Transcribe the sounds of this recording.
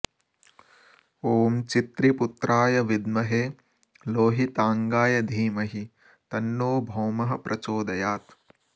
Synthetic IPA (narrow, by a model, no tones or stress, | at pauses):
oːmt͡ʃit̪ɾiput̪ɾʔaːjɐʋid̪mɐɦeː | loːɦit̪aːŋɡaːjɐd̪ʱiːmɐɦi | t̪ɐnːoːbʱɐwmɐɦɐpɾʔɐt͡ʃoːd̪ɐjaːt̪